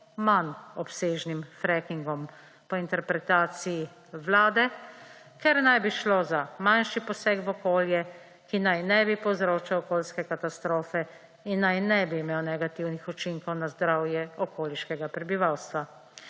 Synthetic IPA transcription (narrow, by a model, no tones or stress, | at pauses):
manɔpseːʒnimfɾɛkiŋɡɔm | pɔint̪ɛɾpɾɛt̪aːt̪sii | ʋlaːd̪ɛ | kɛɾnajbiʃlozamanʃipɔsɛːkvɔkoːljɛ | kinajnɛbipɔwzɾoːt͡ʃawɔkoːlskɛkat̪ast̪ɾoːfɛ | inːajnɛbiːmeːwnɛɡat̪iwnixɔt͡ʃiŋkɔwnazd̪ɾawjɛɔkoːliʃkɛɡapɾɛbiʋawst̪ʋa